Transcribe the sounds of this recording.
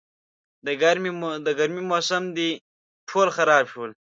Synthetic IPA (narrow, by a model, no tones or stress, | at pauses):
d̪əɡɐɾmid̪əɡɐɾmimoːsɐmd̪i | ʈʰolxaɾɑːbʃol